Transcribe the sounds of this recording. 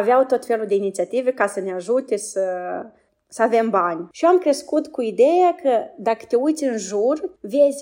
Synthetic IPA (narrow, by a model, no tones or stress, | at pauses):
aveawt̪o̞t̪fe̞luld̪einit̪siat̪ive̞kasəneaʒut̪esə | səave̞mbanʲʃijoamkɾe̞skut̪kuid̪e̞jakəd̪akə̥t̪eujt̪sʲɨnʒurvezʲ